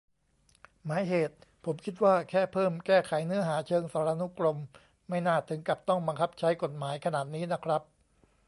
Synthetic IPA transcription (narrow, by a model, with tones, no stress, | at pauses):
maː˩˦jɦeː˨˩t̪̚pʰo˩˦mkʰi˦˥t̪̚waː˥˩kʰɛː˥˩pʰɤː˥˩mkɛː˥˩kʰa˨˩˦jnɯ˦˥ɐɦaː˩˦t͡ɕʰɤː˧ŋsaː˩˦ɾa˧nu˦˥klo˧mː | a˥˩jnaː˥˩t̪ʰɯ˩˦ŋka˨˩p̚t̪ɔ˥˩ŋba˧ŋkʰa˦˥p̚t͡ɕʰa˦˥jko˨˩t̪̚maː˩˦jkʰa˧naː˨˩t̪̚niː˦˥na˦˥kʰɾa˦˥p̚